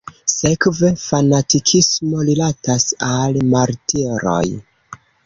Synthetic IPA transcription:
se̞kve̞fanatikʰismo̞lilatasalmaɾtiɾo̞̰j

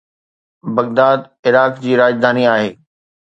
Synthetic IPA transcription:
bɐɣd̪aːd̪ | ɪɾaːkd͡ʑiːɾaːd͡ʑd̪ʱaːniaːɦeː

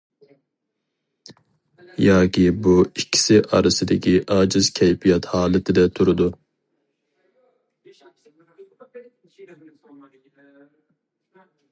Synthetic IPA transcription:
jɑːkʲʰibuikʲʰːi̥sɪʔɑɾɨsɨd̪ɛkʲʰiʔɑːd͡ʒɨzkʲʰɛjpijɑt̪hɑːlˠɪt̪ʰɪd̪ɛt̪ʰuɾud̪u

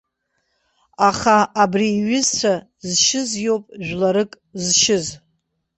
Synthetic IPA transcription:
aχaabriːɥɪzt͡ɕʷʰa | zʃɪzjowpʼʒᶣʷlaɾɨkʼ | zʃɪz

